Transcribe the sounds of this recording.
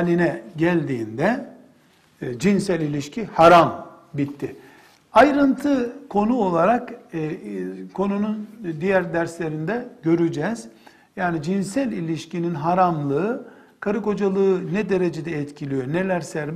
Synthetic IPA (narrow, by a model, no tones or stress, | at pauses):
lʲinɛɟælʲd̪iːnd̪ɛ | d͡ʒinsælʲilʲiʃcʰihaɾam | bit̪ʰːɪ | ajɾɯnt̪ʰɯkʰo̞nuo̞lˠaɾak | kʰo̞nunund̪ijæɾd̪æɾslʲe̞ɾind̪ɛɟø̞ɾyd͡ʒɛz̥ | jaːnid͡ʒinsælʲilʲiʃcininɦaɾamlˠɯː | kʰaɾɯko̞d͡ʒalˠɯɯnɛd̪e̞ɾe̞d͡ʒed̪ɛɛt̪cʰilʲijone̞lʲæɾsæɾm